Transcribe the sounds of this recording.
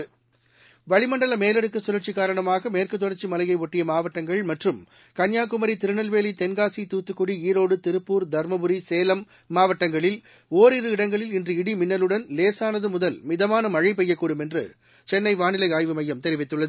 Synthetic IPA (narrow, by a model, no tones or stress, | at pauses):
ʋɐɭɪmɐɳɖɐlɐmeːlɛɽɯkːɯsʊɾɐɾt͡ʃːikːaːɾɐɳɐmaːɣɐmeːrkɯt̪ːɔɽɐɾt͡ʃːimɐlɐjɐɪɔʈːɪjɐmaːʋɐʈːɐŋɡɐɭmɐʈrɯm | kɐnjaːkʊmɐɾit̪ɪɾɯɳɐlʋeːlit̪ɛnɡaːsit̪uːt̪ːɯkːʊɽiiːɾoːɽɯt̪ɪɾɯpːuːɾd̪ʱɐɾmɐbɯɾiseːlɐmː | aːʋɐʈːɐŋɡɐɭɪl | oːɾɪɾɯɪɽɐŋɡɐɭɪlɪndrɯɪɽimɪnːɐlɯɽɐnleːsaːnɐðɯmʊðɐlmɪðɐmaːnɐmɐɻɐp̬ɛjːɐkːuːɽɯmɛndrɯ̰ | t͡ʃɛnːɐɪʋaːnɪlɐɪaːjʋɯmɐjːɐmt̪ɛɾɪʋɪt̪ːɯɭːɐðɯ